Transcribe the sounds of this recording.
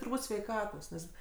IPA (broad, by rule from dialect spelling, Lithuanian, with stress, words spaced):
tʊrˈbuːt sʲʋʲɛɪˈkɑːtoːs ˈnʲɛs